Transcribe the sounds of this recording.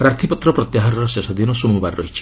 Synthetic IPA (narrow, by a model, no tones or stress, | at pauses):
pɾaɾt̪ʰipɔt̪ɾɔpɾɔt̪jaɦaɾɔɾɔsesɔd̪inɔsumubaɾɾɔɦit͡ʃʰi̥